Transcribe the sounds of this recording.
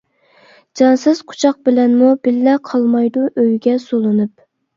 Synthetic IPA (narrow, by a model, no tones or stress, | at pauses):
d͡ʒɑnsɨz̥qʰo̥t͡ʃʰɑq̚bɪlɛnmubɪlːɛqʰɑlˠmɑjd̪uʔøjɡʲɛsolˠɨnɨp̚